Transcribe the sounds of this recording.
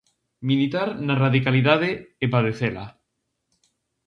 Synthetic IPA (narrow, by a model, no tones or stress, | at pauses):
milit̪aɾnaraðikaliðað̞eepað̞eθela̰